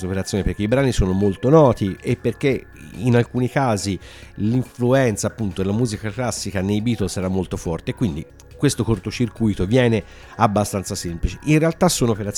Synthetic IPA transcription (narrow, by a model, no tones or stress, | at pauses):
opeɾat̪sjoːnepeɾrkeibɾaːnisoːnomolt̪onɔːt̪iepːerk̟e | inalkuːnikaːzi | liɱfluɛnt̪sapːunt̪od̪elamuːzikaklasːikanejbiːt̪olsɛɾamːolt̪ofɔrt̪eːkːwind̪i | kwest̪okort̪ot͡ʃirkujt̪ovjɛːne | abːast̪ant̪sasemplit͡ʃe̥ʔinrealt̪asːoːnoopeɾat̪s